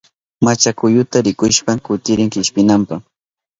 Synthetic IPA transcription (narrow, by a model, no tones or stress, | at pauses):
mat͡ʃakʊjʊt̪aɾɪkʊʃpakʊt̪ɪɾɪŋkɪʃpɪnampaχ